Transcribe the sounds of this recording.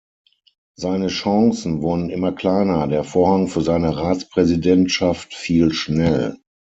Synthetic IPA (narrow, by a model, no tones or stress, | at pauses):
zaɪnəʃɑŋsn̩vʊɐdn̩ɪmɐkl̥aɪnɐdeːɐfoːɐhaŋfyːɐzaɪnəʁaːtt͡spʁ̥ɛzidɛntʃaftfiːlʃnɛl